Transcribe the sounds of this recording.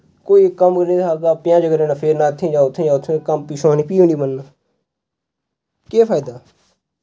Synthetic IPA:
koːiːkəmkəɾnĩːt̪ʰaːɡaːpɪjãːd͡ʒəɡəɾeːnaːpʰeːɾnaːt̪ʰːĩːd͡ʒaːʊt̪ʰːĩːd͡ʒaːt̪ʰːẽkəmpiːʃõːnĩːpiːʊɳɖiːbənːa | keːpʰaːd̪aː

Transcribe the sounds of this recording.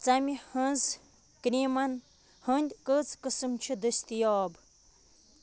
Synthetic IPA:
t͡sɐmʲihə̃nz | kɾʲimɐn | hənd̪ʲkət͡skɨsɨmt͡ʃʰid̪əsʲt̪ijaːb

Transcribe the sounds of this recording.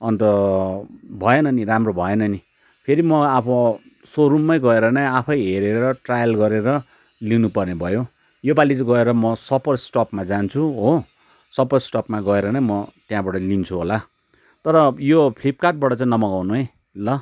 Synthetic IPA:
ʌnt̪ʌ | bʱʌenʌniramrobʱʌenʌni | pʰeɾimʌapʰʌ | soɾumːʌjɡʌeɾʌnʌjapʰʌjɦeɾeɾʌʈrajʌlɡʌɾeɾʌ | linupʌrnebʱʌjo | jobalit͡sʌɡʌeɾʌmʌsʌpʌrsʈʌpmad͡zant͡sʰuɦo | sʌpʌrsʈʌpmaɡʌeɾʌnajmʌt̪jãbaʈʌlint͡sʰuɦola | t̪ʌɾʌjopʰlipkaʈ̚baʈʌt͡sãĩnʌmʌɡawnuɦe | lʌ

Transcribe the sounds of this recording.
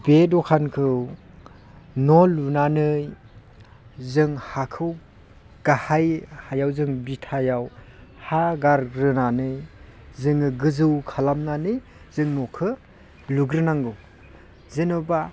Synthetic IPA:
bedɔkʰankʰɯw | nɔlunanɯj | zɯŋhakʰɯw | ɡ̥ahajhajawzɯŋbitʰajaw | haɡaɾɡɾɯnanɯjzɯŋɯɡɯzɯwkʰalamnanɯj | zɯŋnɔkʰɯ | luɡɾɯnaŋɡɯw | zɯnɯba

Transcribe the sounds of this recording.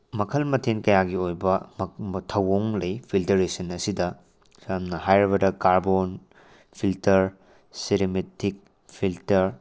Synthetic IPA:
mɐkʰɐlmɐtʰinkɐjaɡiojbɐmtʰɐwoŋlɐjpʰiltɐɾesɐnɐsidɐ | sɐmnɐɦajɾiβɐdɐkaɾbon | pʰiltɐɾ | siɾimetik̚ | pʰiltɐɾ

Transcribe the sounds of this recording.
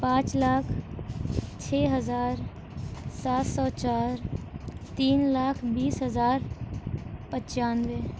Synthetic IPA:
pãːt͡ʃlaːkʰ | t͡ʃʰeːɦəzaːɾ | saːt̪sɔːt͡ʃaːɾt̪iːnlaːkʰbiːsɦəzaːɾ | pət͡ʃaːnʋe

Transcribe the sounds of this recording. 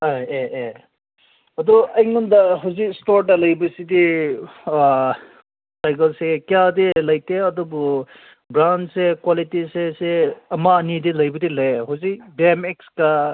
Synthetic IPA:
ajeʔe | ɐdɔɐjŋɔndɐɦawzikstoɾtɐlɐjbɐsidi | sajkɐlsekijadilɐjteɐdɔbɔ | bɾansekwalitiseseɐmaːnidilɐjbɐdilajɦawzik̚biemekska

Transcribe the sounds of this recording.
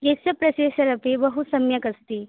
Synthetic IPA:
kesɐpɾɐɕeɕəɾɐpebəɦusɐmjəkəst̪i

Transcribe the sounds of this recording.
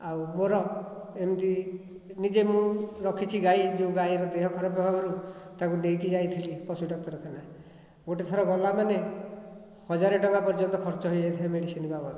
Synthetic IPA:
awmoɾɔemt̪i | nid͡ʒemũɾɔkʰit͡ʃʰiɡajd͡ʒũɡajɾɔd̪eɦɔkʰɔɾapababanũt̪akunejkid͡ʒajt̪ʰilipɔsuɖɔk̚t̪ɔɾɔkʰana | moʈet̪ʰɔɾɔɡɔlamane | hɔd͡ʒaɾɔʈɔŋkapɔɾd͡ʒɔnt̪ɔkʰɔɾt͡ʃɔɦojd͡ʒajt̪ʰiameɽisinibabɔɾu

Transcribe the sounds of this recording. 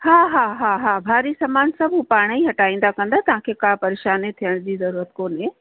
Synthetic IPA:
haːɦaːɦaːɦaːbʱaːɾisɐmaːnsɐbʱupaːɽ̃ĩɦɐʈaːĩːn̆d̪akɐ̃nd̪at̪ɐɦãkʰekaːpɐɾeːʃaːnet̪ʰijəɽ̃d͡ʑiːzɐɾuːɾət̪koːnẽ

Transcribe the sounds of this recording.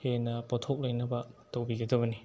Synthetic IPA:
henɐpotʰok̚lɐjnɐbɐtawbiɡɐdɐbɐni

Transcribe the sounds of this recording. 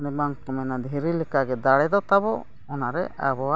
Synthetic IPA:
nɛbaŋkɔmɛnad̪ʱiɾilikaɡɛd̪aɽɛd̪ɔt̪abɔ | ɔnaɾɛʔabɔa

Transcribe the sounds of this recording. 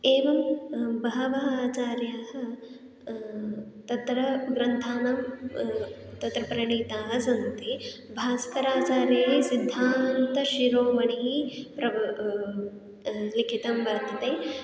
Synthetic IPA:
eːʋɐmbɐɦɐʋɐɦaːt͡ʃaːɾjɐɦɐ̆ | t̪ɐt̪ɾɐɡɾɐnt̪ʰaːnɐm | t̪ɐt̪ɾɐpɾɐɳiːt̪aːɦɐsɐnt̪i | bʱaːskɐɾaːt͡ʃaːɾjɐɦisid̪ʱːaːnt̪ɐʃiɾoːmɐɳiipɾɐ | likʰit̪ɐmʋɐɾt̪ʰɐt̪eː

